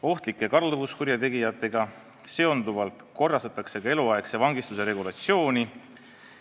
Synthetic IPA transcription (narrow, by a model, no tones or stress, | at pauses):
o̞ht̪likːˑe̞kɑɾluvuskuɾjɑt̪e̞ɡijɑt̪ːˑe̞ɡ̥ɑ | se̞o̞nd̪uvɑlt̪ko̞rːɑst̪ɑt̪ːˑɑkse̞kɑe̞luɑe̞kse̞vɑŋɡist̪use̞ɾe̞ɡulɑt̪sio̞ːni